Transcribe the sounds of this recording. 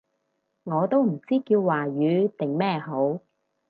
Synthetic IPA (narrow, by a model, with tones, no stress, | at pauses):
ŋɔː˨˧t̪o˥wm̩˨˩t͡siː˥kiː˧wːaː˨˩jyː˨˧˥t̪ɪ˨ŋmɛː˥˩ɦo˨˥w